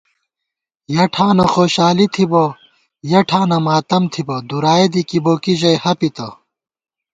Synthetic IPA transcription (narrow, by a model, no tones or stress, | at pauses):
jɐʈʰaːnɐxoːɕaːlit̪ʰibɐ | jɐʈʰaːnɐmaːt̪ɐmt̪ʰibɐd̪uɾaːed̪ikiboːkiʑɐjhɐpit̪ɐ